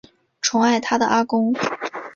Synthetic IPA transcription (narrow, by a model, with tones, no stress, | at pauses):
ʈ͡ʂʰʊ˧˥ŋa˥˩ɪt̪ʰa˥d̪ə˨ʔa˥kʊ˥ŋ